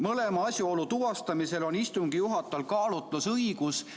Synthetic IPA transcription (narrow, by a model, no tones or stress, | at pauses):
mɤle̞mɑɑsʲjuo̞lut̪uɑst̪ɑmise̞lo̞nist̪uŋɡ̥ijuɦɑt̪ːˑɑlkɑːlut̪ˑlusɤijɡus